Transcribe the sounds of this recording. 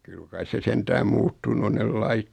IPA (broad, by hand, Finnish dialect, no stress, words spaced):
kyl kɑis se sentæːm muːtːunu on nel lɑit